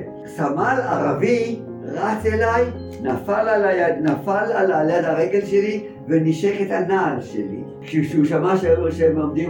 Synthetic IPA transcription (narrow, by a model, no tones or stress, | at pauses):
samala̰ʁavi | ʁat͡selaj | nafalalaanafalalaljad̪aʁeɡelʃeli | veniʃeχet̪hanalʃḛlḭ | ʃʃuʃamaʃeeloʃemlomd̪im